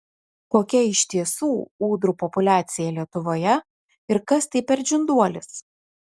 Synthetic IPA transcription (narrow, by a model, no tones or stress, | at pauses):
koːkʲɛɪʃʲt̪ʲiɛsuːuːd̪ɾuːpɔpʊlʲæːt̪sʲɪjɛlʲiɛt̪ʊʋoːjɛ | ɪɾkɐst̪ɐɪpʲɛɾd͡ʒʲʊnd̪uɔlʲɪs